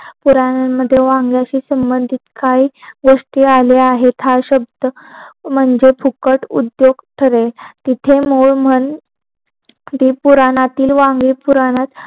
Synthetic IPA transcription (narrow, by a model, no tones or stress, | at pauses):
puɾanamːəd̪ʱːjeʋãŋɡjaɕiːsəmbənd̪ʱit̪kaɦiɡoʂʈiːaleaɦet̪ʰaɕəb̚d̪ə | m̤əɳd͡ʑepʰukəʈṵd̪joɡʈʰəɾet̪it̪ʰemuɭm̤əɳ | t̪iːpuɾanat̪iːlʋãŋɡipuɾanat̪